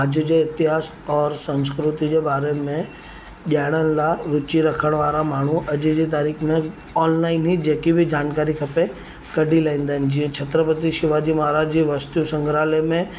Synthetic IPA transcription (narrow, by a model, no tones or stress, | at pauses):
aːd͡ʒjəd͡ʑeɪt̪ɪɦaːs | ɔːɾsɐ̃nskɾʊt̪id͡ʑebaːɾemẽ | ʄaːɪɽ̃ənɪlaɾʊt͡ʃiɾɐkʰəɽ̃ʋaːɾamaːɳ̤uʔɐʄd͡ʑit̪̬aːɾiːkʰmẽ | ɔːnlaːɪnɦid͡ʑeːkibʱɪd͡ʑaːnkaːɾikʰɐpe | kɐɖʱilaːĩːnd̪aɦɪnɪ̆d͡ʑiːə̃t͡ɕʰɐt̪ɾəpət̪iʃɪʋad͡ʑimaːɾaːd͡ʑd͡ʑiʋɐst̪jũsɐ̃ŋɡʱɾaːlemẽ